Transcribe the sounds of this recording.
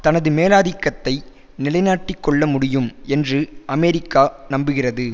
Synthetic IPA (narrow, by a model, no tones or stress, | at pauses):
t̪ɐnɐðɯmeːlaːðɪkːɐt̪ːɐɪ | nɪlɐɪnaːʈːɪkːɔɭːɐmʊɽɪjɯmɛndrɯɐmɛɾɪkːaːnɐmbɯɣɪrɐðɯ